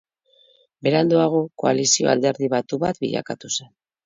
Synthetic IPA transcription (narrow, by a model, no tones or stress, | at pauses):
be̞ɾand̪oaɣ̞o̞ko̞alisio̞̰a̰ld̪e̞ɾðiβat̪uβa̰t̪bḭʎa̰kat̪use̞n